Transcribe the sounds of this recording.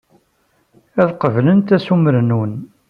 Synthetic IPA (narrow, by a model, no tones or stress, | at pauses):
æðqəvlənt̪æsuməɾnun